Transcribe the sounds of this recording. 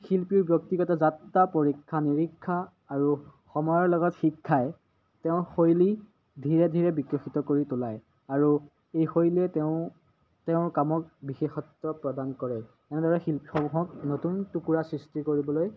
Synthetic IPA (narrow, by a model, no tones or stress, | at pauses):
xilpiɹbjɔk̚tiɡɔtazatːapoɹikʰːaniɹikʰːaː | ɹuxɔmɔjɔɹlɔɡɔtxikʰːajɛ | tɛʊxojli | dʱiɹɛdʱiɹɛbikɹɔxitɔkoɹitʊlaj | aɹu | ejxojliɛtɛʊ̃ | tɛʊ̃kamɔkbixexɔtɹɔpɹɔdankɔɹɛ | ɛnɛdɔɹɛxilpixɔmɔɦɔknotuntukuɹasɹistikoɹibɔloj